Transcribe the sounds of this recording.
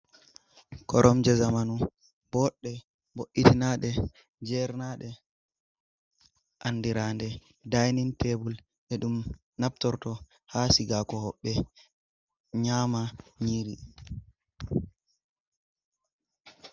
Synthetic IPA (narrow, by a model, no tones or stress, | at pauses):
kɔ̰ɾʔɔmd͡ʒɛzamanu | bɔɗːɛ | boʔːitinaɗɛ | d͡ʒɛɾnaɗɛ | ʔanːdiɾandɛ | dajnintʰebul | ʔɛɗum | nap̚tɔɾtɔ | hasiɡakɔhɔɓːɛ | ɲaːmaɲiɾi